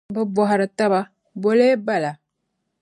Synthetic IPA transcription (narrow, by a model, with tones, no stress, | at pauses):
bɨ˦bɔ˨ɦa˨ɾɨ˨ta˦ba˦ | bo˦leː˦ba˦˨la˨